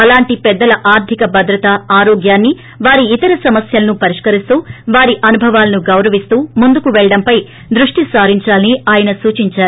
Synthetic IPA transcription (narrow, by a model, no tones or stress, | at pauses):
ɐlaːɳʈipɛd̪ːɐlɐʔaːɾd̪ʱikɐbɐd̪ɾɐt̪ɐaːɾoːɡjaːnːi | ʋaːɾiːt̪ɐɾɐsɐmɐsjɐlɐnupɐɾiʂkɐɾist̪uːʋaːɾiʔɐnubʱɐʋaːlɐnuɡɐwɾɐʋist̪uːmund̪ukuʋɛɭɐɽɐmpɐj | d̪ɾuʂʈisaːɾiɲt͡ʃaːlɐniaːjɐnɐsuːt͡ʃiɲt͡ʃaːɾu